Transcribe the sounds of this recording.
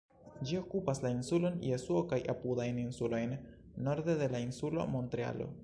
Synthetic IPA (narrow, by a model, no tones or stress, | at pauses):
d͡ʒio̞kupaslainsulo̞njesuokajʔapudajninsulo̞jnː | o̞ɾd̪e̞de̞lainsulo̞̰mo̞ntɾea̰lo̞̰